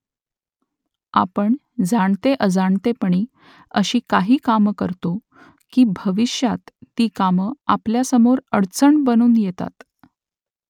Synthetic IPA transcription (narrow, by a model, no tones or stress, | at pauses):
a̰pəɳ | d͡zʱaɳt̪eʔəd͡zaɳt̪epəɳiː | əɕiːkaɦiːkamkəɾt̪o | kiːbʱəʋiɕjat̪ːiːkaməapljasəmoɾəɽt͡səɳbənuːnjet̪a̰t̪